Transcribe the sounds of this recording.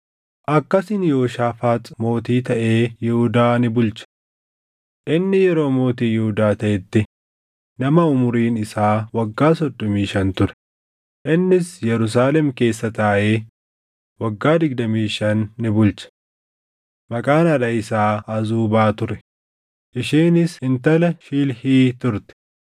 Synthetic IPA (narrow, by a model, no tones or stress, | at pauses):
ʔɐkːɐsɪnjo̞ːʃaːfaːt̪mo̞ːt̪iːt̪ɐʔe̞ːjɪhʊd̪aːnɪbʊlt͡ʃɐ̥ | ʔɪnːɪjɛɾo̞ːmo̞ːt̪iːjɪhʊd̪aːt̪ɐʔɛt̪ːɪ | nɐmɐʊmʊɾiːnɪsaːwɐɡːaːsɔd̪ːɔmiːʃɐnt̪ʊɾɛ̥ | ʔɪnːɪsjɛɾʊs̬aːlɛmke̞ːsːɐt̪aːʔeː | wɐɡːaːd̪ɪɡ̚d̪ɐmiːʃɐnːɪbʊlt͡ʃɐ̥ | mɐkʼaːnɐᶑɐɪsaːɐzuːbaːt̪ʊɾɛ | ʔɪʃiːnɪshɪnt̪ɐlɐʃiːlhiːt̪ʊɾt̪ɛ̥